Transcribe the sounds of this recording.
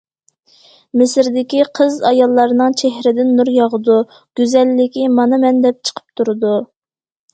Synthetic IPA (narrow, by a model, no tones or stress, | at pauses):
mɪsɾd̪ɪkʲiqʰəzɑjɑlˠːɑɾnɨŋt͡ʃʰeɦɾɪd̪ɪnːuɾjɑʁəd̪u | ɡ̥ʲyzɛlːɪkʲimɑnɨmɛnd̪ɛp̚t͡ʃʰə̥qʰə̥p̚t̪ʰuɾɨd̪u